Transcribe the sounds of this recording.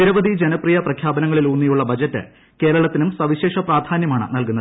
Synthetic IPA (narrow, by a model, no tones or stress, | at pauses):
iɾɐʋɐd̪id͡ʑenɐprijɐprɐkʰjaːbɐnɐŋːɐɭilunːijuɭːɐbɐd͡ʑɐtːɨ̰ | ke̞ːɾɐɭɐt̪ːinumsɐʋiɕe̞ːʂɐpraːd̪ʱaːnjɐmaːɳɨ̰nɐlkunːɐð